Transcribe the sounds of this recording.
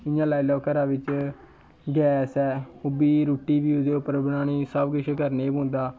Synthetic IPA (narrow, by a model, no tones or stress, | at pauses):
ɪjãːlaːilɔːkəɾãːʋɪt͡ʃ | ɡɛːsɛːʊbiːɾoːʈiːʋiːʊd̪eːʊpəɾbənaːñiːsəbɡɪʃkəɾneːbʊ̃ːnd̪aː